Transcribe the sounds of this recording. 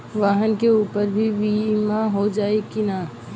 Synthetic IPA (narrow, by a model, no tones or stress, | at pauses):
ʋaːɦənkeuːpəɾbʱibimaɦod͡ʒaːekina